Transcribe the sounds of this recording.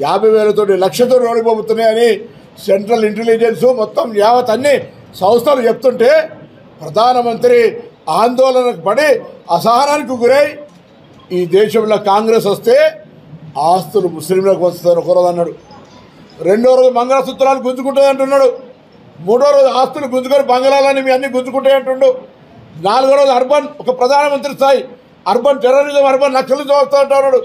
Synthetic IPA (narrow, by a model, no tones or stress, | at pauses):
jaːbʱɐjʋɛːlɐt̪oːʈilɐkʂɐt̪oːo̞ːɽipoːbut̪unːajɐni | seɳʈɾɐliɳʈelid͡ʒensumɔt̪ːɐmjaːʋɐt̪ːɐnːi | sɐwst̪ʰɐlut͡ʃep̚t̪uɳʈe̞ː | pɾɐd̪ʱaːnɐmɐnt̪ɾiaːnd̪ɔːlɐnɐkupɐɽiɐsɐɦɐnaːnik̬iɡuɾeːji | iːd̪ɛːʃɐmlɐkaːŋɡɾeːs̬ʋɐst̪eː | aːst̪ulumuslimloːkuʋɐsst̪anokoɾod̪ɐnːaːɽu | ɾe̞ɳɖoːɾoːd͡ʒubɐŋɡɐlɐsut̪ːɐlaːnːiɡunt͡ʃukuɳʈ̬und̪ɐɳʈunːaːɽu | muːɽoːɾoːd͡ʒuaːst̪uluɡunt͡ʃukɐɾibɐŋɡɐlaːloːnimiːɐnːiɡunt͡ʃukuɳʈaːjɐɳʈuɳɖu | naːluɡːɾoːd͡ʒ̪uɐɾbʱɐnɔkɐpɾɐd̪ʱaːnɐmɐnt̪ɾist̪aːji | ɐɾbʱɐnd͡ʒɛɾɐɾid̪ɐmɐɾbʱɐnlɐkʂɐlit͡ʃɐɐst̪aːd̪ɐɳʈaːnːaːɽu